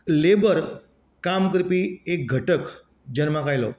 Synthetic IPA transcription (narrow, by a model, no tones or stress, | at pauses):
lebəɾ | kamkɾpiːek̚ɡʱəʈək | d͡ʑənmakajlɔ̰